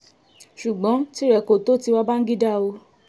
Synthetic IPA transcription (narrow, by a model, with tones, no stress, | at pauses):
ʃu˨ɡ͡bɔ̃˨˦ti˦ɾɛ˨ko˨to˦ti˧wa˦ba˦n̩˦ɡi˦da˦o˧